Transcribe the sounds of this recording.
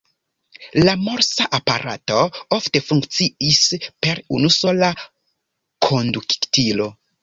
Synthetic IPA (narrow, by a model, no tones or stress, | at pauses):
lamo̞ɾsaʔapaɾa̰to̞ofte̞fuŋkt͡siispe̞ɾṵnuso̞la | kʰo̞ndukktilo̞